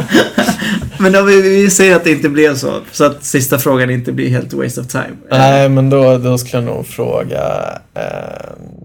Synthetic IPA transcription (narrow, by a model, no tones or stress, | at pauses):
mɛnɔvɪvɪsɛjːəɾat̪̚d̪ɛɪnt̪əblɛvsɔ̰sɔat̪sɪst̪afɾoːɡanɪnt̪əblɪ̰ɾɦḛːlt̪wɛ̰ɪst̪ɔvt̪ʰa̰ɪmnɛɪmɛnd̪ɔd̪ɔskɵləjanṵːɡfɾo̰ːɡa̰